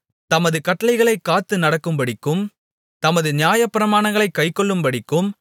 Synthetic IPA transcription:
t̪ɐmɐðɯkɐʈːɐlɐɪɣɐɭɐɪkːaːt̪ːɯnɐɽɐkːɯmpɐɽɪkːɯm | t̪ɐmɐðɯnjaːjɐpːɪɾɐmaːɳɐŋɡɐɭɐɪkːɐɪkːɔɭːɯmpɐɽɪkːɯm

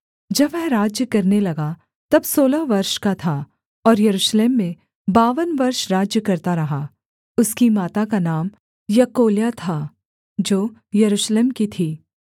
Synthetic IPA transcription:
d͡ʒɐbɛ̃ːɾaːd͡ʒjəkɐɾnelɐɡa | t̪ɐbsoːlaʋɐɾʃkat̪ʰa | ɔːɾjɐɾuːʃleːmːẽ | baːʋənʋɐɾʃɾaːd͡ʒjəkɐɾt̪aɾɐɦa | ʊskimaːt̪akanaːm | jɐkoːljat̪ʰa | d͡ʒoːjɐɾuːʃleːmkit̪ʰiː

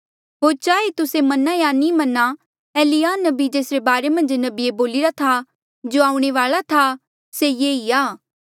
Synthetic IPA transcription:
ɦoːɾt͡ʃaːet̪ʊsemɐnajaːnĩmɐnːa | eːlijaːnɐbid͡ʒeːsɾebaːɾemɐ̃nd͡ʒnɐbieboːlɪɾat̪ʰa | d͡ʒoːaːũɽ̃eʋaːɭat̪ʰa | sejeːiaː

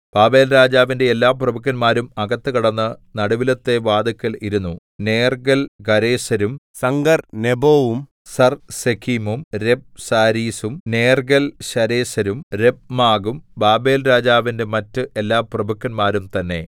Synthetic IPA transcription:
b̥aːbe̞ːlɾaːd͡ʑaːʋinde̞ːlːaːprɐbɐkːɐnmaːɾumɐɡɐt̪ːɨkɐɽɐnːɐnɐɽuʋilɐt̪ːe̞ʋaːd̪ɐkːɐliɾunːu | neːrɡɐlɡɐɾe̞ːɕɐɾumsɐŋɡɐrneboːʋum | sɐrsekʰimumɾe̞b̚saːɾiːsumneːrɡɐlɕɐɾeːɕɐɾumɾe̞b̚maːɡumbaːbe̞ːlɾaːd͡ʑaːʋinde̞mɐtːɨʔe̞lːaːprɐbɐkːɐnmaːɾumt̪ɐnːe̞̰

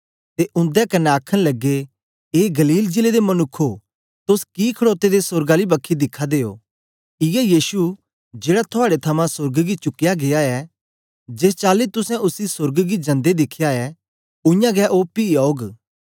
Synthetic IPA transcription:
t̪eʔʊ̃nd̪ɛkɐnɛaːkʰəɽ̃lɐɡːe | eːɡɐliːld͡ʒɪled̪emɐnʊkʰːo | t̪ʊskikʰɐɽoːt̪ed̪esʊɾɡaːlibɐkʰːid̪ɪkʰːad̪eːo̰ː | ɪjɛjiːsu | d͡ʒeːɽat̪ʰʊaːɽet̪ʰɐmãsʊɾɡɡit͡ʃʊkːɪjaɡeaɛ | d͡ʒeːst͡ʃaːlit̪ʊsɛ̃ʔʊsisʊɾɡɡid͡ʒɐ̃nd̪ed̪ɪkʰːjaɛ | ʊ̃jãɡɛʔopiːaːoːɡ

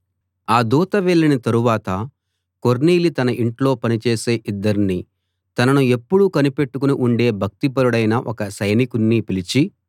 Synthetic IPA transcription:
aːd̪uːt̪ɐʋɛɭːɐnit̪ɐɾuʋaːt̪ɐ | ko̞ɾniːlit̪ɐnɐʔiɳʈlo̞ːpɐnit͡ʃe̞ːse̞ːʔid̪ːɐɾinːi | t̪ɐnɐnue̞pːuɽukɐnipe̞ʈːukuniʔuɳɖe̞ːbʱɐk̚t̪ipɐɾuɽɐjnɐʔɔkɐsɐjnikunːipilit͡ʃi

